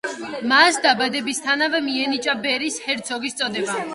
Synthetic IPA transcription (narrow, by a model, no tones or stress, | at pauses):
masd̪abad̪ɛbist̪ʰanavɛmiɛnit͡ʃʼabɛɾishɛɾt̪sʰɔɡist̪sʼɔd̪ɛba